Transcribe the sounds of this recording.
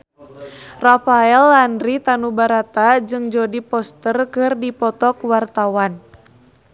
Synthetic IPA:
rafaɛlːandɾit̪anubaɾat̪ad͡ʒɨŋd͡ʒɔdipɔst̪ərkɨrdipɔt̪ɔkwart̪awan

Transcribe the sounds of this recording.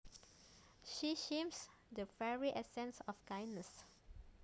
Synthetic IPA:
ʃiʃẽms | dəfɛɹiʔɛsɛ̃nsɔfkãjnːəs

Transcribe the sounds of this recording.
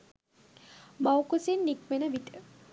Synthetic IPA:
mawkusinːikmenəʋit̪ə

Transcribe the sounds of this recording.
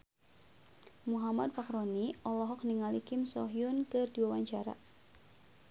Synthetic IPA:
muɦamadfakɾoniɔlɔɦɔk̚niŋalikɪmsɔɦiʊnkɨrdiwawaɲt͡ʃaɾa̰

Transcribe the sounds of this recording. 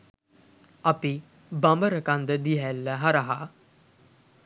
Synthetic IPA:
api | bambəɾəkand̪əd̪iɦælːəɦaɾaɦa

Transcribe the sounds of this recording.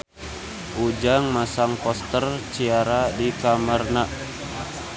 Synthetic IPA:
ʔud͡ʒaŋmasaŋpɔst̪ərt͡ʃiaɾadikamərnaʔ

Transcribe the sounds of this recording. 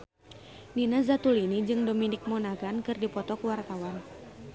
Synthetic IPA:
ninazat̪ulinid͡ʒɨŋdominɪk̚mɔnaɡankɨrdipɔt̪ɔkuwart̪awan

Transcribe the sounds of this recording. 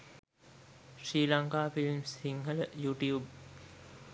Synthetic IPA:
sɾiːlaŋkaːfilmsiŋɦələjuːʈjuːb

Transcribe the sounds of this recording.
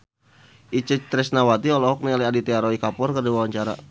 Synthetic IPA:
ʔit͡ʃət͡ʃt̪ɾɛsnawat̪iɔlɔɦɔk̚nialiadit̪eaɾoikapʊrkərdiwawaɲt͡ʃaɾa̰

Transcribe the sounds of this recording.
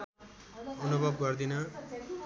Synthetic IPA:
ʌnubʱʌb̚ɡʌrd̪inʌ

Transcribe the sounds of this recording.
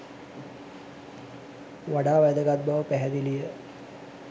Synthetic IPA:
ʋaɖaːʋɐjd̪əɡad̪̚bɐʋəpæɦɛd̪ilijə

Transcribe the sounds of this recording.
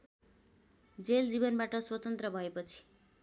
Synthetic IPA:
d͡zeld͡zibʌnbaʈʌswʌt̪ʌnt̪rʌbʱʌepʌt͡sʰi̥

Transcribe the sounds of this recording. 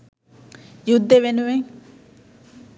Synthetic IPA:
jud̪ːeʋenuʋeŋ

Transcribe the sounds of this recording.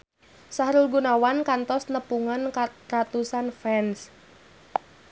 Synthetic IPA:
sahɾulɡunawankant̪ɔsnəpuŋankarat̪usanfɛns

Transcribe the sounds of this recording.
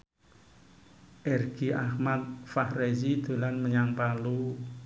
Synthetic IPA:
ʔɛrɡ̥iahmat̪̚fahrezid̪̥o̤lanməɲaŋpalu

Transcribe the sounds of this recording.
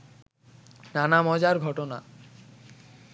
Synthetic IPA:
nanamɔd͡ʑaɾɡʱɔʈona̰

